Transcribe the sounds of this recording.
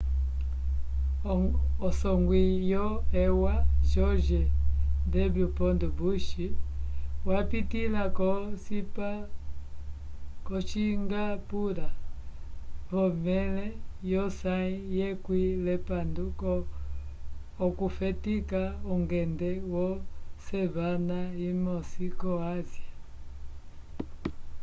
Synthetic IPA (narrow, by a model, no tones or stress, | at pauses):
ɔsɔŋɡwijɔɛwaʃɔʒɛdɛblupɔndubuʃi | wapitilakɔsipa | kɔt͡ʃiŋɡapuɾa | hɔmɛlɛjɔsaijɛkwilɛpandukɔ | kufɛtikauŋɡɛndɛwɔsɛβanaimɔsikɔazia